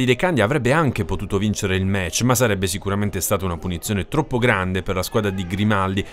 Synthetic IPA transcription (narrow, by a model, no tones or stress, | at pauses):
d̪id̪ekand̪jaːvɾɛbːeaŋk̟epot̪uːt̪ovint͡ʃeɾeilmɛt͡ʃːmasːaɾɛbːesikuɾament̪est̪aːt̪aunapunit̪sːjoːnet̪ɾɔpːoɡɾand̪eperlaskwaːd̪ɾad̪iɡɾimald̪i